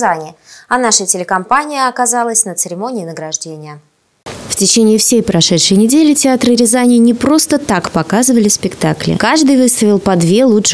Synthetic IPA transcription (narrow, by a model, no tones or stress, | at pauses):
zanʲɪɐnaʂətʲɪlʲɪkɐmpanʲɪjəɐkazalˠəsʲnət̪sɨɾʲɪmo̞nʲɪːnəɡɾɐʐdʲenʲɪjə | ftʲɪt͡ɕenʲɪːfsʲejpɾɐʂɛt̪ʂɨjnʲɪdʲelʲɪtʲɪat̪ɾɨɾʲɪzanʲɪnʲɪpɾo̞st̪ət̪akpɐkazɨvəlʲɪspʲɪkt̪aklʲɪ̰kaʐd̪ɨjvɨst̪əvʲɪlˠpɐd̪vʲe̞lˠutʂ